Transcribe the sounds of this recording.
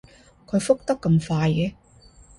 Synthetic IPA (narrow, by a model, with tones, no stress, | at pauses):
kʰɵ˨˧ɥfʊ˥k̚t̪ɐ˥kːɐ˧mfaː˧jkɛ˨˥